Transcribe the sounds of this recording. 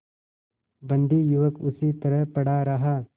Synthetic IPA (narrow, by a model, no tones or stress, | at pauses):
bɐ̃nd̪ʱijuʋəkʊsit̪ɐɾəɦpɐɽaɾɐɦaː